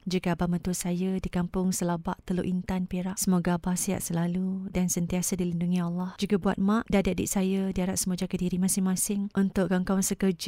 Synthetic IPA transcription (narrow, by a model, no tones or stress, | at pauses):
d͡ʒuɡabamə̃t̪uasajadikampʊŋsəlabaʔt̪əloʔint̪anpeɾaʔsəmoɡabahsia̰ʔsəlaludansənt̪iasadilinduŋialːahd͡ʒuɡabua̰t̪̚mãʔdadiadɪ̰ʔsajadiaɾaʔ̚səmuad͡ʒakadiɾimãsɪŋmãsɪŋʔunt̪ʊʔkaŋkawansəkərd͡ʒ